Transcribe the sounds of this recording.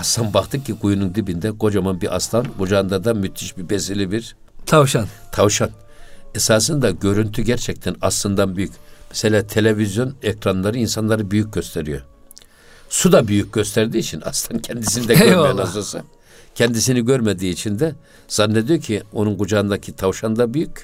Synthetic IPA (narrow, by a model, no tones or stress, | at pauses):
ast̪ʰanbakt̪ʰɯcʰːiɡujunund̪ibind̪ɛɡo̞d͡ʒamanbiʔast̪ʰanɡud͡ʒaɯnd̪ad̪amyt̪ʰiʃbibesilʲibiɾ | t̪ʰaʃant̪ʰavʃan | esaːs̬ɯnd̪aɟø̞ɾynt̪ʰyɟæɾt͡ʃʰɛc̚t̪ʰɛnaslˠɯnd̪anbyjycmɛ̥se̞lʲaːt̪ʰe̞lʲevizjo̞nɛkɾanlˠaɾɯinsanlˠaɾɯbyjyc̚ɟø̞st̪ʰeɾijo̰ | sud̪abyjyc̚ɟø̞st̪ʰæɾd̪iːt͡ʃʰina̰st̪ʰancʰɛnd̪isind̪ɛmejanasasɯ̰ | cʰɛnd̪isiniɟø̞ɾmed̪iːt͡ʃʰind̪ɛ | z̥anːe̞d̪ijo̞cʰio̞nunɡud͡ʒaːɯnd̪acʰit̪ʰavʃand̪abyjycʲ